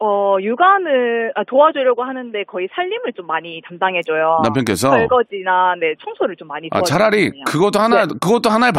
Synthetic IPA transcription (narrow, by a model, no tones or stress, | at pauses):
ʌjuɡanɯɭatoad͡ʑoʎjʌɡohanɯnde̞kʌisʰaʎːimɯɭt͡ɕomːaɲitamdaŋɦe̞d͡ʑojonampʰjʌnk͈e̞s̬ʰʌʌɭɡʌd͡ʑinane̞t͡ɕʰʌŋsʰoɾɯɭt͡ɕomːaɲia̰t͡ɕaɾaɾikɯɡʌt͈ohanakɯɡʌt͈ohanaep